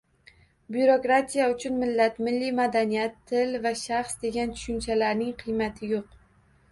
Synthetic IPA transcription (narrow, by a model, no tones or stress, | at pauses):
bjuɾo̞kɾat̪ʰijaʊt͡ʃʰʊnmɪlːat̪mɪlːimad̪anijat̪ʰːɪlvaʃaχsd̪e̞ɡʲant̪ʰʊ̥ʃʊnt͡ʃʰalaɾnɪŋqʰɨjmat̪ʰɪjoq̚